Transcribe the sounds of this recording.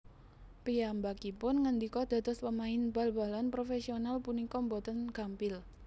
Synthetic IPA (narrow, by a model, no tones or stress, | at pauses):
piambakipʊnŋənd̪ikɔd̪̥ä̤t̪ɔspəmaɪnb̥a̤lb̥a̤lanpɾofɛsionalpunikɔmbɔt̪ənɡ̥a̤mpɪl